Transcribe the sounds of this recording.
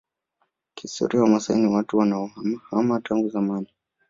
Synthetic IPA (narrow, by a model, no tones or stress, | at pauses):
kistɔ̰ɾiawamasaḭniwatuwanaɔhamataŋɡuzamani